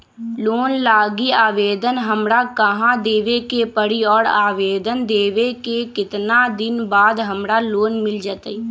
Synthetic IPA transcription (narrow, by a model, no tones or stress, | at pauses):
loːnlaːɡiaːʋeːd̪ənɦəmɾakəɦãd̪eːʋekepəɽiɔːɽaːʋeːd̪ənd̪eːʋekekɪt̪nad̪ɪnbaːd̪ɦəmɽaloːnmɪld͡ʒaːt̪əi